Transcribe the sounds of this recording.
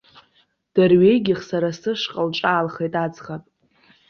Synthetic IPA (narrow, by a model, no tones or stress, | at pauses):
d̥arɥejɡʲɪχsaɾasɨʂqʼalʈ͡ʂʼaːlχejtʼad͡zχapʼ